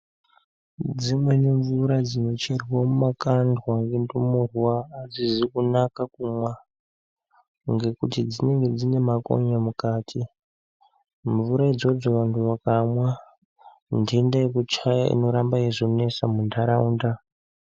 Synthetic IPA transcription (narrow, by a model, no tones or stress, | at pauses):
d͡zimwe̞niɱvuɾad͡zino̞t͡ʃerwamumakandwaŋɡendumurwaːd͡zizikunakakumwa | ŋɡe̞kutid͡zine̞ŋɡe̞d͡zine̞mako̞̰ɲamukaːtʰi | ɱvuɾaid͡zo̞d͡zoʋantʰuʋakamwa | ndindaekut͡ʃaja̰ḭno̞ɾambaiʐone̞samundaɾauːnda